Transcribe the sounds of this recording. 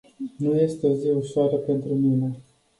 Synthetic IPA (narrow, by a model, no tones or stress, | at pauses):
nuje̞st̪eo̞ziuʃoaɾəpe̞nt̪ɾumine̞